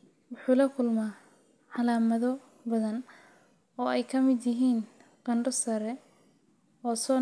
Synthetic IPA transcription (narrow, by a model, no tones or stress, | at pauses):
wʊħuːlɐkʰʊlmaː | ʕɑlaːmɐðɔ | bɐðɐn | ɔːɛjkʰɐmɪd̪jɪɦiːn | qɐɳɖɔsɐɾɛ | ɔːsɔː